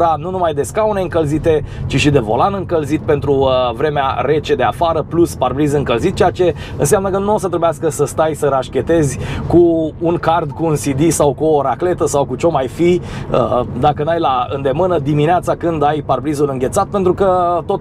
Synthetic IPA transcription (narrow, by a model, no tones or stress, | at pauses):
ɾanunumajd̪e̞skaune̞ɨŋkəlzit̪e̞t͡ʃiʃid̪e̞vo̞̰lanɨŋkəlzit̪̚pe̞nt̪ɾuvɾe̞mea̰re̞t͡ʃe̞d̪e̞afaɾəplusparbɾizɨŋkəlzit̪̚t͡ʃeat͡ʃe̞ | ɨ̰ns̬eamnəkənuo̞sət̪ɾe̞bujaskəsəst̪ajsəɾaʃkʲe̞t̪e̞zʲkuːŋkard̪kuːnsid̪isawkuoɾakle̞t̪əsawkut͡ʃo̞majfiəd̪akənajlaɨnd̪e̞mɨnəd̪imineat̪sakɨnd̪ajparbɾizulɨŋɡʲet̪sat̪pent̪ɾukət̪o̞t̪